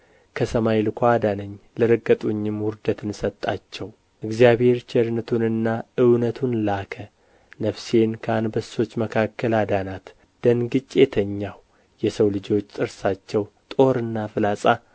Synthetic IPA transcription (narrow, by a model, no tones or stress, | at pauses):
kʰəsəmajlɨkʰʷad̪anəɲːlɨɾəɡːət̪ʼuɲːɪmwʊɾd̪ət̪ɨnsət̪ʼːat͡ʃːɛw | ʔɨɡzijaβhe̞ɾt͡ʃɛɾnət̪ʰunɨnːaʔɨwnət̪ʰunlakʰə | nəfse̞nkʰəanbəso̞t͡ʃːməkʰakːəlad̪anat̪ | d̪̥ənɡɨt͡ʃʼːe̞t̪ʰəɲːaw | jɛsəwlɨd͡ʒo̞t͡ʃːt̪ʼɨɾsat͡ʃːɛw | t̪ʼo̞ɾɨnːafɨlasʼa